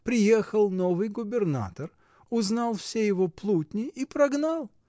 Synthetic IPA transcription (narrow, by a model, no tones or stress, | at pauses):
pɾʲɪjexəlˠnovɨjɡʊbʲɪrna̰t̪ər | ʊznɑlˠfsʲejɪvoplˠutʲnʲɪipɾɐɡnalˠ